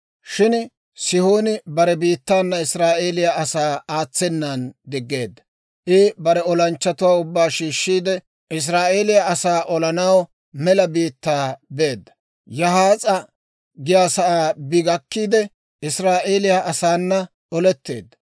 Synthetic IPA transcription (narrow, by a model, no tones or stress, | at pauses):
ʃɪn | sɪhoːnɪbɐɾɛbiːt̪ːaːnːɐɪsɾaːʔeːlɪjaɐsaːaːt͡sːɛnːand̪ɪɡːe̞ːd̪ːɐ | ʔɪbɐɾɛɔlɐnt͡ʃːɐt̪ʊwaːʊbːaːʃiːʃːiːd̪ɛ | ʔɪs̬ɾaːʔeːlɪjaɐsaːʔɔlɐnɐw | mɛlɐbiːt̪ːaːbe̞ːd̪ːɐ̥ | jɐhaːt͡sʼɐ | ɡɪjaːsɐʔaːbɪɡɐkːiːd̪ɛ | ɪsɾaːʔeːlɪjaʔɐsaːnːɐ | ɔlɛt̪ːe̞̰ːd̪ːɐ̥